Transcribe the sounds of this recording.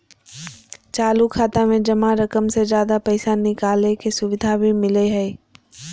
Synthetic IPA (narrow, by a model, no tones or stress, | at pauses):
t͡ʃaːlukʰaːt̪amẽd͡ʒɐmãɾɐkəmsed͡ʒjaːd̪apɐɪsanɪkaːlekesʊʋɪd̪ʱabʱimɪleɦɛː